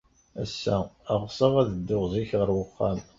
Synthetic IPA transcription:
æsːæːʁsˤəʁæðəd̪ːʊʁzˤiçʁəɾwəqːɑm

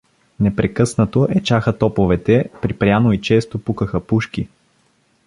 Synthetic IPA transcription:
nɛpɾɛkɤsnət̪oʔɛt͡ʃaxət̪ɔpovɛt̪ɛpɾipɾjanoit͡ʃɛst̪opukəxəpuʃki

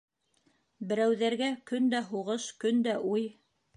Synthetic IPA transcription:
bɘ̆ɾæwðæɾɡækɵnd̪æɦuʁɤʃkɵnd̪æʔuj

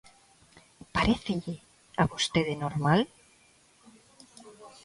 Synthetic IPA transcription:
paɾeθeʎe | aβost̪eðenoɾmal

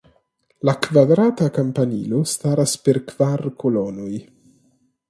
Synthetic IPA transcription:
lakvad̪ɾaːt̪akampanḭːlost̪aːɾaspeɾkv̥arkʰolɔːnoj

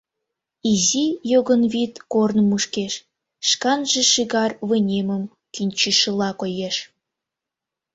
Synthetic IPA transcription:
izijoɣənβit̪kornmuʃkeʃ | ʃkɑnʒĕʃiɣɑrβənʲeməm | kinʲt͡ɕiʃəlɑkojeʃ

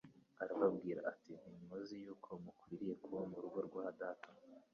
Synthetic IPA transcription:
aɾaβab̚ɡiːɾa̰ʔatin̥iɲuzijuːkʰo̞mukwiːɾije̞kuβomuɾuɡoɾɡwahadatʰḁ

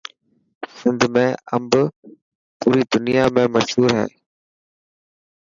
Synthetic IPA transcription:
sɪ̃nd̪mẽɐ̰mb | puːɾid̪ʊnijamẽmɐʃɦuːɾɦɛ̰̃ː

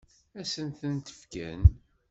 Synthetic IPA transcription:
æsənθənt̪ə̥fkæ̰n

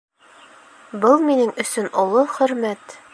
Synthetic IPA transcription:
bɤlˠminɘŋɵ̆sɵnʔŏlˠoχɵ̆ɾmæt̪

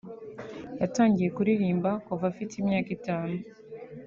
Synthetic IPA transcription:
jataːɲɟije̞kuɾiɾiːmbakuvafitimjaːkitaːnu

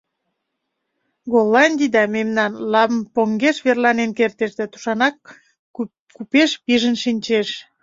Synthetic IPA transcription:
ɡolːɑnʲd̪ʲid̪ɑmemnɑnlɑβəmpoŋɡeʃβerlɑnenkert̪eʃd̪æt̪u̥ʃɑnɑk̚ | kupeʃpiʒənʃinʲt͡ɕeʃ

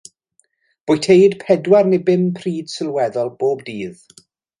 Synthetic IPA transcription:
b̥ʊjtʰejd̥pʰɛdwarnɪbɪmpʰriːd̥sɪlˠwɛðɔlˠb̥oːbdiːð

